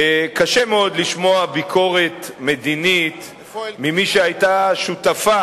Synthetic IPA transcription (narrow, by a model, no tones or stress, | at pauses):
kaʃemeo̞d̪liʃmo̞abikʰo̞ʁe̞t̪me̞d̪init̪ | mimiʃeajtaʃutafa